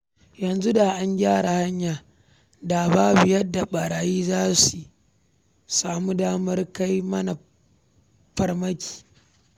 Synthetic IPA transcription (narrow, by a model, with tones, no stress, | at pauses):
jɐ˨nzu˦da˨ʔa˦ŋɡʲaː˦ɽa˨ha˦ɲjaː˨ | da˨baː˦bɪ˨jɐ˦dːa˨ɓɐ˨ɽaː˨jiː˦zaː˦su˨ | saː˨mu˦daː˦mɐ˦rka˦jmɐ˦na˨ | ɸɐ˨rmɐ˦kʲi̥ː˨